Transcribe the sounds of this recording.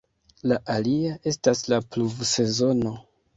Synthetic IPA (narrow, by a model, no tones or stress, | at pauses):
laʔaliaʔe̞staslapluvse̞zo̞no̞